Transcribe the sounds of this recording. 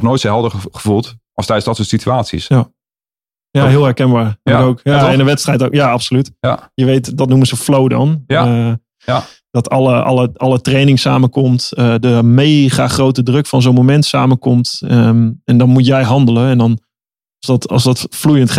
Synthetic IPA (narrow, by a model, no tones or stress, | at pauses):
χnoːjtsɦɛlˠdəχəvulˠtʔɔstɛjdəsdɔtsoːtsityaːtsḭsja | jaɦɪːlˠɦɛɹkɛnbaːrokowkaɛɪnəʋɛtstrɛjtoːkjaapsolytjəʋeːtdɔtnuməzəflowdɔ̰n | d̥ɔtʰɔlˠəɔ̰lˠəɔlətreːnɪŋsaːməkomtədəmeːχaːχrowtədrøkfɔnzoːnmomɛntsaːməkomt | ɛndɔnmutjɛjɦɑndələɛndɔn | sdɔtɔ̰sdɔtflujəntχ